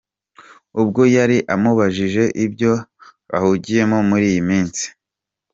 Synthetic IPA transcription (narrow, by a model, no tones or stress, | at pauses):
ubɡo̞jaɾiʔamuβaʒiʒe̞ʔibɟo̞βa̰huɟije̞momuɾiːjimiːnsi̥